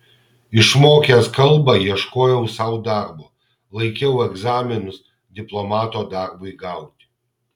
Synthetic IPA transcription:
ɪʃmoːkʲɛskɐlˠbɑjiɛʃkoːjɛʊsɐʊd̪ɑɾboː | lˠɐɪkʲɛʊɛɡzaːmʲɪnʊs | d̪ʲɪplˠɔmɑːt̪oːd̪ɑɾbʊiɡɑˑʊt̪ʲ

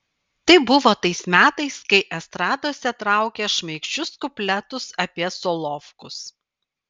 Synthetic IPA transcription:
t̪ɐɪbʊʋoːt̪ɐɪsmʲæːt̪ɐɪskɐɪʔɛst̪ɾɑːd̪oːsʲɛt̪ɾɑˑʊkʲeʃmʲɐɪkʃʲt͡ʃʲʊskʊpʲlʲɛt̪ʊsɐpʲiɛsolˠɔfkʊs

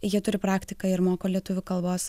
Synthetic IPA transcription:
jiɛt̪ʊɾʲɪpɾɑːkt̪ʲɪkɐɪɾmoːkoːlʲiɛt̪ʊʋʲʊkɐlˠboːs

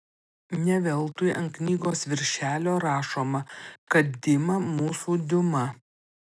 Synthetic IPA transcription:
nʲɛʋʲɛlˠt̪ʊjʔɐŋknʲiːɡoːsʋʲɪɾʲʃʲæːlʲoːɾɑːʃoːmɐkkɐt̪̚d̪ʲɪmɐmuːsuːd̪ʲʊmɐ

